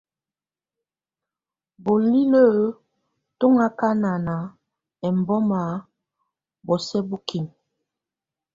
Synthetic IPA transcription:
bo˨li˦lə˦˨˦ | to˦ŋa˦ka˦na˨na˨ | ɛ˨m˨bɔ˦ma˨˦ | bɔ˨sɛ˦bu˦ki˨n

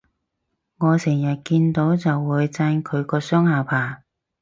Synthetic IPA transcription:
ŋɔː˨˧sɪ˨˩ŋjɐ˨t̚kiː˧nt̪o˨˥wt͡sɐ˨wːuː˨˧˥jt͡saː˧nkʰɵ˨˧ɥkɔː˧sœː˥ŋhaː˨˩wpʰaː˨˩

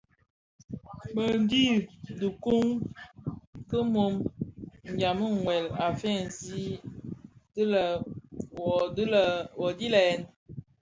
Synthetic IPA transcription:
mə˨n˦di˦də˨ku˦ŋ | kə˦mo˨˦m | ŋ˨ɡa˨mə˦˨ŋwɛ˨la˨fɛ˦˨n˨zi˦ | tə˦lə˨˦ | lwɔ˨di˦lɛ˨˦n

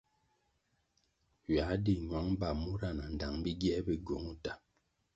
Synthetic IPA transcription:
ɥa˨˦di˨ɲwa˨˦ŋ˦ba˨mu˦ɾa˦˨na˨n̩˨da˨ŋbi˦ɡjɛ˦bi˦ɡo˨˦ŋu˦ta˨

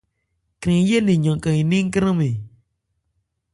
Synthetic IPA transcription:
kɾĩ˨ŋ˦je˦˨li˨ɲɔ̃˨kə˧˨ŋi˨nĩ˦ŋ˦kɾə̃˦mi˨

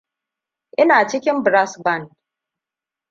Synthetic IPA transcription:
ʔɪ˦naː˨t͡ʃɪ˦kʲɪ˦mbɾa˦sba˦˨nd

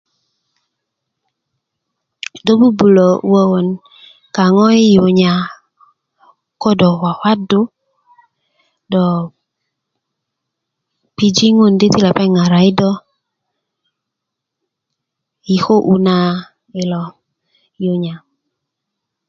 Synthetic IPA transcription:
do˦bu˦bu˨lo˨˦wə˦wo˨n | ka˨ŋɔ˦i˦jo˨ɲa˨ | kɔ˦dɔ˨wa˨hwa˦do˦ | dɔ˨ | pi˨d͡ʒi˦ŋo˦˨nde˦ti˦lɛ˨pɛ˦ŋa˨ɾa˨i˦dɔ˦ | i˨ho˦ʔu˨na˦ | i˨lɔ˨ | jo˨ɲa˨

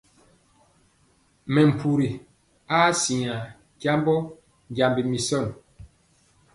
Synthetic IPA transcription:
mɛ˨m̩˨pʰu˨ɾi˨ | a˦si˨a˨ | ɟa˦mbɔ˦˨ | ɟa˨mbi˨mi˨sɔ˦˨n

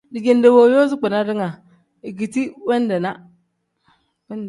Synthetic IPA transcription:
di˨d͡ʒe˨nde˨wo˨jo˦zi˦k͡pɛ˨na˦dɪ˦ŋa˨ | i˨ɡi˨ti˦wɛ˦n˦dɛ˨na˦ | wɛ˦n

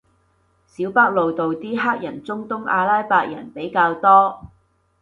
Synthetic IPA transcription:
siː˨˥wpa˥k̚lo˨wt̪o˨wt̪iː˥ɦaː˥k̚jɐ˨˩nt͡sʊ˥ŋt̪ʊ˥ŋa̰ː˧laː˥jpaː˧k̚jɐ˨˩npe˨˥jkaː˧wt̪ɔː˥

